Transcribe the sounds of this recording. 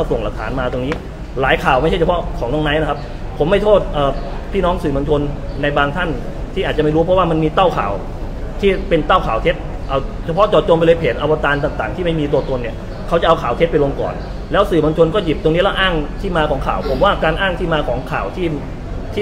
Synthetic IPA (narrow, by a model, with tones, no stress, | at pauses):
a˥˩so˨˩ŋla˨˩k̚t̪ʰaː˩˦nmaː˧t̪o˧ŋniː˦˥ | laː˨˩˦jkʰaː˨˩wma˥˩jʰt͡ɕa˥˩t͡ɕʰa˧pʰɔ˦˥kʰɔː˩˦nɔ˧ŋna˦˥jna˦˥kʰa˦˥p̚ | pʰo˩˦mːa˥˩jt̪ʰoː˥˩t̪̚ʔəː˨˩pʰiː˥˩nɔː˦˥ŋsɯː˨˩mo˧nt͡ɕʰo˧nːa˧jbaː˧ŋt̪ʰa˥˩n | t̪ʰiː˥˩aː˨˩t̪̚t͡ɕa˨ma˥˩jɾuː˦˥pʰɾɔ˦˥waː˥˩ma˧nmiː˧t̪a˥˩wkʰa̰ː˨˩w | t̪ʰiː˥˩pe˧nt̪aː˥˩wkʰaː˨˩wt̪ʰe˦˥t̪̚ | ʔa˧˩wt͡ɕʰa˧pʰɔ˦˥ʔt͡ɕɔː˨˩t̪̚t͡ɕo˧mpa˧jlɤː˧jpʰeː˨˩nʔa˧wa˧t̪aː˧nt̪aː˨˩ŋt̪aː˨˩ŋt̪ʰiː˥˩ma˥˩jmiː˧t̪̬u˧t̪o˧nːi˥˩ | kʰa˦˥wt͡ɕa˨˩ʔa˧wkʰaː˨˩w̪ʰe˦˥t̚pa˧jlo˧ŋkɔ̰ː˨˩n | lɛː˦˥wsɯː˨˩mo˧nt͡ɕʰo˧nkɔː˥˩ji˨˩p̚t̪o˧ŋniː˦˥lɛ˦˥wʔaː˥˩ŋt̪ʰiː˥˩maː˧kʰɔː˩˦ŋkʰaː˨˩wpʰo˩˦mwaː˥˩kaː˧nʔaː˥˩ŋt̪ʰiː˥˩maː˧kʰɔː˩˦ŋkʰaː˨˩wt̪ʰiː˥˩ | t̪ʰiː˥˩